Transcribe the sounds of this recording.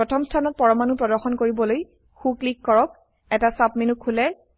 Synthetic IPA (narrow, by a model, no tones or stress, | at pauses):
ɹɔtʰɔmstʰanɔt̚pɔɹɔmanupɹɔdɔɹxɔnkoɹibɔloj | xuklikːɔɹɔk̚ | ɛtasapminukʰːulɛ